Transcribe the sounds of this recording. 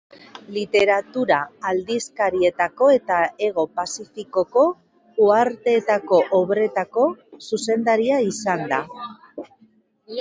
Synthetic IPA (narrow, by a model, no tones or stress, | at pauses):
lit̪e̞ɾat̪uɾaːld̪iskaɾie̞t̪ako̞e̞t̪ae̞ɣ̞o̞pasifiko̞ko̞ | uaɾt̪e̞ːt̪ako̞ʔoβɾe̞t̪ako̞suse̞nd̪aɾiaisand̪a